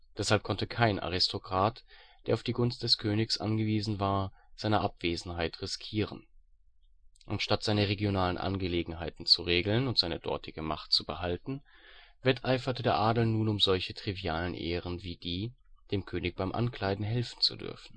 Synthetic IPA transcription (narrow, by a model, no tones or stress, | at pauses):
d̥ɛshalp̚kʰɔntəkʰaɪnʔa̰ʁ̞ɪstʰokʁ̥aːtd̥eːɐaʊfd̥iːɡʊnst̚d̥ɛskʰøːnɪçsʔa̰nɡəviːzn̩vaːɐz̥aɪnɐʔapv̥eːzn̩haɪtʁɪskʰiːʁ̞ən | ʔantʃtatz̥aɪnəʁ̞eɡjonaːlənʔa̰nɡəleːɡŋ̩ɦaɪtn̩t͡suʁeːɡl̩nʊntz̥aɪnəd̥ɔ̰ɐtʰɪɡəmaχtt͡subəhaltn̩vɛtʰʔaɪfɐtədeːɐʔaːdl̩nuːnʊmzɔlçətʁ̥iviaːlənʔḛːʁənviːd̥iː | d̥eːmkʰøːnɪç̚b̥aɪmʔa̰nkl̥aɪdn̩ɦɛlfn̩t͡sṵdʏ̰ɐfn̩